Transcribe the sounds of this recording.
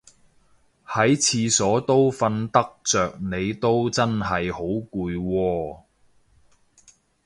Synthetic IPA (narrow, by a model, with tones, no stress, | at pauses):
hɐ˨˥jt͡sʰiː˧sɔː˨˥t̪o˥wfɐ˧nt̪ɐ˥k̚t͡sœː˨k̚ne˨˧jt̪o˥wt͡sɐ˥nɦɐ˨jho˨˥wkuː˧jwɔː˧